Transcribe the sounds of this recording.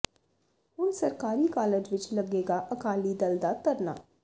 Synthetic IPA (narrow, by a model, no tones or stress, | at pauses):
ɦʊnsɐɾkaːɾikaːled͡ʒʋɪt͡ʃlɐɡeːɡaʔɐkaːlid̪ɐld̪at̪ɐɾna̰ː